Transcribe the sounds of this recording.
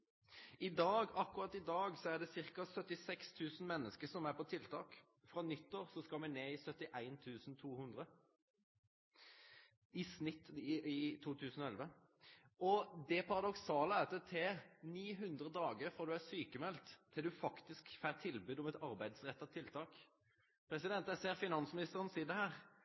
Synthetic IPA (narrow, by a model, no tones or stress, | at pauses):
ɪd̪ɑːɡɑkːʉɾɑt̪ɪd̪ɑːɡsɔæʁd̪ɛsɪʁkɑsœt̪ːɪsɛkst̪ʰʉːsn̩mɛnːəskəsɔmæɾpɔt̪ʰɪlt̪ʰɑːk | fɾɑnʏt̪ːoːʁsɔskɑlmɛneːɪsœt̪ːɪʔæɪnt̪ʰʉːsn̩t̪ʰuːhʉnd̪ʁə | ɪsnɪt̪ːɪt̪ʰuːt̪ʰʉːsn̩ɔɛlʋə | ɔd̪ɛpʰɑʁɑd̪ɔksɑːləæːt̪ːət̪ʰɛniːɦʉnd̪ɾəd̪ɑːɡəɾfɔʁd̪ʉæsyːkəmɛlt̪ʰːɪld̪ʉfɑkt̪ɪskfæt̪ʰɪlbʉːd̪ɔmɛt̪ɑɾbæɪd̪sʁɛt̪ːɑt̪ʰɪlt̪ʰɑːk | pʰɾɛsɪd̪ɛnt̪ɛseːʁfɪnɑnsmɪnɪst̪əʁənsiːd̪ɛhæːʁ